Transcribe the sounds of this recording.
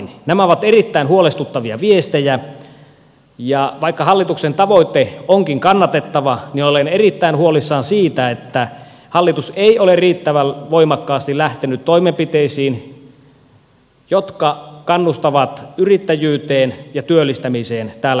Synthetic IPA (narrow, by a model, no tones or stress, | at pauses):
nnæmæoʋɑt̪erit̪ːæinhuolest̪ut̪ːɑʋiɑ̰ʋiest̪ejæ | jɑʋɑikːɑhɑlːit̪uksent̪ɑʋoit̪eoŋkiŋkɑnːɑt̪et̪ːɑʋɑninolenerit̪ːæinhuolisːɑːnsiːt̪æet̪ːæ | hɑlːit̪useioleriːt̪ːæʋælʋoimɑkːɑːst̪ilæht̪enyt̪toimempit̪eisiːn | jot̪kɑkɑnːust̪ɑʋɑt̪yrit̪ːæjyːt̪eːnjɑt̪yølːist̪æmiseːnt̪æːlːæ